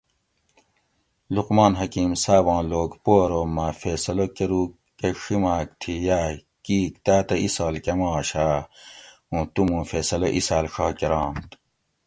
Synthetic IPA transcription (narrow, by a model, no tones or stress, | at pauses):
luqmɑːnɦɐkiːmsaːbɑ̃ːloːkpoːɾoːmːafeːsɐlokeɾuː | ɐʂimaːk̚t̪ʰijaː | kiːkt̪aːt̪ɐisaːlkɐmɑːɕaː | ũːt̪umũfeːsɐlɐʔisaːlʂɑːkeɾɑ̃ːnt̪